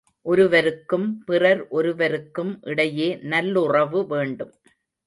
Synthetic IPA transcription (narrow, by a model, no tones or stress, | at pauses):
ʔɔɾɯʋɐɾɯkːɯmpɪrɐɾʔɔɾɯʋɐɾɯkːɯmʔɪɽɐjeːnɐlːʊrɐʋɯʋeːɳɖɯm